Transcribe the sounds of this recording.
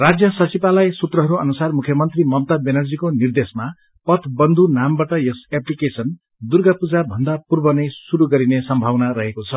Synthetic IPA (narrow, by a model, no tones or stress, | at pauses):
rad͡zjʌsʌt͡sipalajsut̪rʌɦʌɾuʌ̰nusarmukʰjʌmʌnt̪rimʌmt̪abenʌrd͡zikonird̪esma | pʌt̪ʰbʌnd̪ʱunambaʈʌjʌseplikesʌn | d̪urɡapud͡zabʱʌnd̪apurbʌnʌjsuɾuɡʌɾinesʌmbʱawnaɾʌɦekot͡sʰʌ